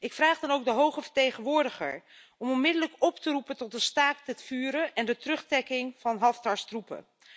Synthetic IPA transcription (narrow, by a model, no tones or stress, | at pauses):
ɪkfraːχdɑnowk̚dəɦowχəvəɹtejχənʋʊːɹdəχə̰ɹ | ɔmɔnmɪdələkɔptərupəntɔt̚dəstaːk̚dɛtfyːɾəʔɛndətrɵχtɛkɪŋv̥ɑnɦɑftɑɹstrupə̰